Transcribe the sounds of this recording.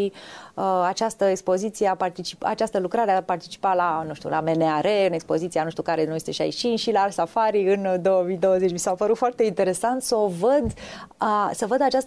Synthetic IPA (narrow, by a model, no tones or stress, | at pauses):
i | at͡ʃast̪əekspo̞zit̪sijeapart̪it͡ʃi̥pa̰t͡ʃast̪əlukɾaɾeapart̪i̥t͡ʃi̥palanũʃt̪ʲṵla̰meneaɾeɨne̞kspo̞zit̪sianuʃt̪ukaɾe̞nujest̪e̞ʃia̰jiʃinʃilaarsafaɾiɨnd̪o̞wəmid̪o̞wəzet͡ʃʲmisapəɾut̪foart̪e̞int̪e̞ɾe̞sant̪səovəd̪ | səvəd̪at͡ʃast̪